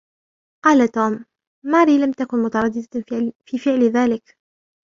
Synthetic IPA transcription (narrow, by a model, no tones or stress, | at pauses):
qɑːlat̪uːmː | aːɾiːlamt̪akʊnmʊt̪ɑɾˤɑd̪ːɪd̪afiːfɪʕlɪðaːlɪk